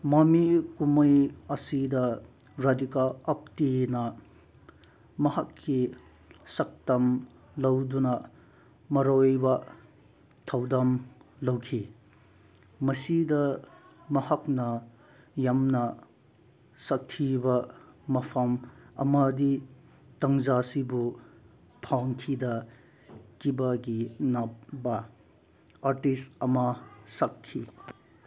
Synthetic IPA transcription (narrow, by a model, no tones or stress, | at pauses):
mɐmikumɐjɐsidɐ | ɾadikalɐp̚tinɐ | mɐhɐkʰːi | sɐk̚tɐm | lɐwdunɐ | mɐɾojbɐ | tʰɐwdɐmlɐwkʰi | mɐsidɐ | mɐhɐk̚nɐ | jamnɐ | sɐk̚tʰibɐmɐpʰɐmɐ̰mɐdi | tɐŋzasibu | pʰaŋkʰidɐ | kibɐɡinɐp̚bɐ | aɾtistɐmɐsɐkʰːi